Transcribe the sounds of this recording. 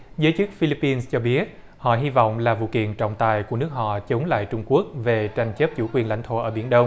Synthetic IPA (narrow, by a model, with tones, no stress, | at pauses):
zəː˨˦jt͡ɕɨ˦˥k̚fi˧li˦˥pːi˧nst͡ɕɔ˧ɓi˦˥ət̚ | hɔ̰˧˨ɦi˧vɔ̰˧˨wŋ͡mlaː˨˩vṵ˧˨kḭ˧˨ənt͡ɕɔ̰˧˨wŋ͡mt̪aː˨˩jku˧˩ənɨ˦˥ək̚hɔ̰˧˨t͡ɕə˨˦wŋ͡mla̰ː˧˨jt͡ɕʊ˧ŋ͡mku˦˥ək̚ve˨˩t͡ɕa˧jŋ̟t͡ɕəː˦˥p̚t͡ɕu˧˩kwi˨˩ənla̰˧˩ŋt̪ʰo̰˧ʔəː˧˩ɓi˧˩ənɗə˧wŋ͡m